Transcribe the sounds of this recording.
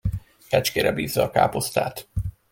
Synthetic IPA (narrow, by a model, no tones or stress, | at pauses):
kɛt͡ʃkeːɾɛbiːzːɒɒkaːpo̞st̪a̰ːt̪